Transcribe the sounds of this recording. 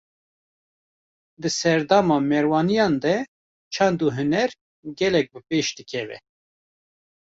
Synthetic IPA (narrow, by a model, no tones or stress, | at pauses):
d̪ɨsɛɾd̪ɑːmɑːmɛɾwɑːnijɑːnd̪ɛ | t͡ʃʰɑnd̪uːɦɨnɛɾ | ɡɛlɛk̚bɨpeːʃd̪ɨkʰɛvɛ̰